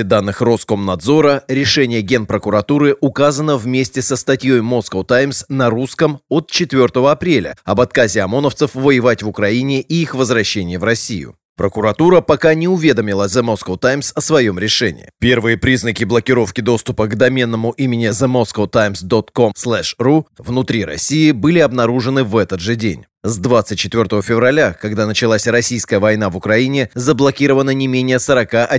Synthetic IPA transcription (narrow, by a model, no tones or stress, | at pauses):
ɪd̪anːɨxro̞sko̞mnɐd̪zo̞ɾəɾʲɪʂɛnʲɪjəɡʲe̞npɾəkʊɾɐt̪uɾɨʔʊkazənəvmʲesʲtʲɪsəst̪ɐtʲjo̞jmo̞skot̪ajmsnɐɾuskəmo̞t̪̚t͡ɕɪt̪vʲo̞rt̪əvəɐpɾʲelʲə̰ɐbɐt̪̚kazʲɪɐmo̞nəft̪sɨfvəjɪvatʲvʊkɾɐinʲɪʔiixvəzvɾɐɕːenʲɪjəvɾɐsʲːijʊ̰ | pɾəkʊɾɐt̪uɾəpɐkanʲɪʊvʲe̞d̪əmʲɪlˠəzəmoskət̪ajmsəsvɐjo̞mɾʲɪʂɛnʲɪ̰jɪ̰pʲe̞rvɨjəpɾʲiznəkʲɪblˠəkʲɪɾo̞fkʲɪd̪o̞st̪ʊpəɡd̪ɐmʲenːəmʊʔimʲɪnʲɪzəmoskot̪ajmsd̪o̞t̪ko̞msslˠɛʂruvnʊt̪ɾʲiɾɐ̰sʲijɪbɨlʲɪɐbnɐɾuʐɨnɨvɛt̪ət̪ʐɨdʲḛnʲ | zd̪vat̪sɨt̚ʲt͡ɕːɪt̪vʲo̞rt̪əvəfʲɪvrɐlʲakɐɡd̪anət͡ɕɪlˠasʲrɐsʲijskəjəvɐjnavʊkɾɐinʲɪzəblˠɐkʲiɾəvənənʲɪmʲenʲɪjəsəɾɐkaʔɐ